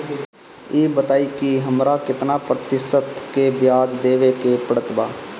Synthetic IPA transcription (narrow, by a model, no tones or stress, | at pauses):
eːbət̪aːikiɦəmɾakɪt̪napɾət̪ɪʃət̪kebjaːd͡ʒd̪eːʋekepəɾət̪baː